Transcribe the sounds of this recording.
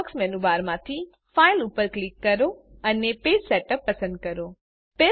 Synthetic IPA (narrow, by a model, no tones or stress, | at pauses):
ksmɛnuʋaɾmãt̪ʰi | failupəɾklikːəɾoəneped͡ʒsɛʈəpːəsə̃nd̪̚kəɾo | pe